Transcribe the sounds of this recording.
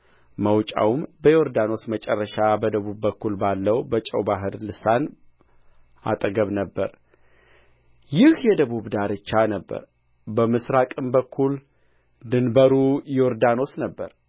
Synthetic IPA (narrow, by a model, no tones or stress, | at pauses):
məwt͡ʃʼa̰wmbəjo̞ɾd̪ano̞smət͡ʃʼɛrːəʃabəd̪əβubːəkːulbalːəwbət͡ʃʼəwbaɦɨɾlɨsan | a̰t̪ʼɡəβnəbːə̰ɾ | jɪhjɛd̪əβuβd̪aɾɨt͡ʃːanəbːə̰ɾ | bəmɨsɾakʼɨmbəkʰːul | d̪ɨnbəɾujo̞ɾd̪ano̞snəbːəɾ